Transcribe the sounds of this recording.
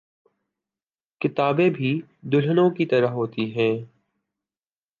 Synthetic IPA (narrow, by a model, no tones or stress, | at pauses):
kɪt̪aːbẽbʱi | d̪ʊlənõkit̪ɐɾəɦɦoːt̪iɦɛ̃ː